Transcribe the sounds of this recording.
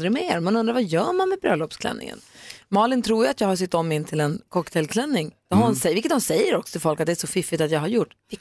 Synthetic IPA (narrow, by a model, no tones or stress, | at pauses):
ɾɪɡmeːɾmɛnɵnd̪ɾavajœːɾmanmɛbɾœ̰ːlɔpskʰlɛ̰nːɪ̰ŋə̰nmɑːlɪnt̪ʰɾuːɾjat̪jɑːɡhaʂ̬ʏt̪ːɔmːɪnːt̪ʰɪlɛnkʰɔkːt̪ʰɛlkʰlɛnːɪŋd̪ɔhamsɛvɪlkːət̪hɔmsɛjːəɾɔksɔt̪ʰɪlfɔlkat̪d̪ɛæʂɔfɪfːɪt̪at̪jɑːɡhaɾjʊʈː